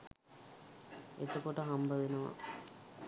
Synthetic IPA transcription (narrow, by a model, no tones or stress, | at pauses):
et̪əkoʈəɦambəʋenəʋa̰